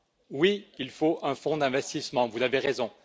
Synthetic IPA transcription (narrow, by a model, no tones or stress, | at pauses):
wiilfoʔɛ̃fɔ̃d̪ɛ̃vɛst̪ismɑ̃vuzaveʁezɔ̃